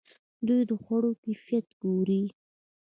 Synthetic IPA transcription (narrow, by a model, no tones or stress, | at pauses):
d̪ujd̪əxwaɽokafijat̪ɡoɾi